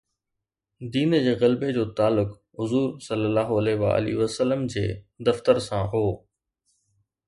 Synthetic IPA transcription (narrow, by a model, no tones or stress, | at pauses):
d̪iːnd͡ʑeːɣɐlbed͡ʑoːt̪aːlːʊk | ɦʊzuːɾsɐlːəlːaːɦoɐleːʋa̰ːʔə̰lḭːʋəsəlːəmd͡ʑeː | d̪ɐft̪əɾsãɦoː